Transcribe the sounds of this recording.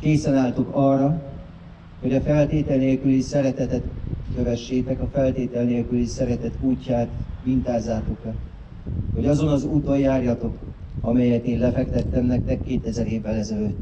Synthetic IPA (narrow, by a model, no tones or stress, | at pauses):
keːsɛnaːlt̪o̞kɒrːɒ | ho̞ɟɒfɛlt̪eːt̪ɛlneːlkylisɛɾɛt̪ɛt̪ɛt̪køvɛʃːeːt̪ɛkɒfɛlt̪eːt̪ɛlneːlkylisɛɾɛt̪ɛt̪uːcːaːt̪vint̪aːzːaːt̪o̞kɛ | ho̞ɟɒzo̞nɒzuːt̪o̞jjaːrjɒt̪o̞kɒmɛjɛt̪eːnlɛfɛkt̪ɛt̪ːɛmnɛk̚t̪ɛkːeːt̪ɛzɛɾeːvːɛlɛzɛløt̪ː